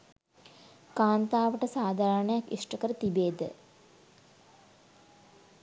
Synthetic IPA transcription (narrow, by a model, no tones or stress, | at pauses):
kaːnt̪aːʋəʈəsaːd̪ʱaːɾəɳəjakḭʂʈəkəɾət̪ibeːd̪ə̰